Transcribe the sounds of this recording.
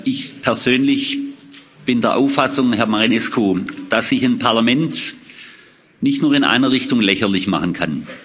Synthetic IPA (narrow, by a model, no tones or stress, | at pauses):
ʔɪçpʰɛɐz̥øːnlɪç | b̥ɪndeːɐʔaʊfasʊŋɦɛɐmaʁinɛskud̥asɪçənpʰaɐlamɛnt | nɪçtnuːɐɪnʔa̰ɪnɐʁɪçtʊŋlɛçɐlɪçma̰χən̩kʰan